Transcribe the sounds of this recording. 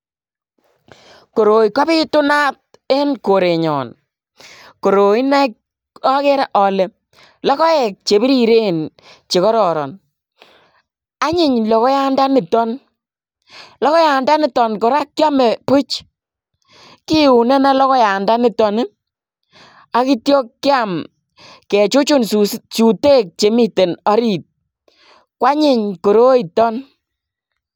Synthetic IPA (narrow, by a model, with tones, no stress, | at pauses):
ko˨ɾo˨jkɔ˦bɪ˦tʊ˦na˦t̚ | e˦nko˨ɾe˨ɲɔ̰˨n | ko˨ɾo˨i˦na˦k | ɔ˦ke˦ɾa˦ʔɔ˨le˨ | lɔ˦kɔ˦jɛ˨k̚t͡ʃe˨bi˦ɾi˦ɾe˦n | t͡ʃe˨kɔ˦ɾɔ˨ɾɔ˨n | a˦ɲɪ˦ɲlɔ˨kɔ˦ja˦nda˦nɪ˨tɔ˦n | lɔ˦kɔ˦ja˨nda˦nɪ˦tɔ˨nkɔ˨ɾa˦kkja˦mɛ˨pu˦t͡ʃ | ki˦u˨nɛ˦na˦lɔ˦kɔ˦ja˨nda˦nɪ˦tɔ˨nɪ˦ | a˦ki˦tjɔ˦kːɪ˦a˦˨m | kɛ˨t͡ʃu˦t͡ʃu˦nt͡ʃu˨te˦k̚t͡ʃe˨mi˦te˨nɔ˨˦ɾi˨t̚ | kwa˦ɲɪ˦ɲko˨ɾo˦i˨tɔ˦n